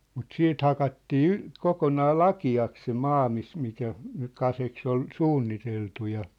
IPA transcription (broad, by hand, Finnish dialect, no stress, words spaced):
mut siːt hɑkɑtːiː y kokonɑː lɑkiɑks se mɑː mis mikæ nyk̆ kɑseks ol suːnːiteltu jɑ